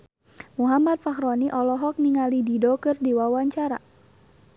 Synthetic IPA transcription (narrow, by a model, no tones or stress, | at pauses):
muɦamat̪̚fahɾɔniʔɔlɔɦɔk̚niŋalididokɨrdiwawaɲt͡ʃaɾa̰